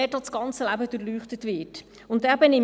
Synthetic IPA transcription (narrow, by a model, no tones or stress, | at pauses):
ɛdɑsɡ̥ɑnt͡səlæbəd̥uɾlyːχtətvɪt | ʊntɛbɛnɪ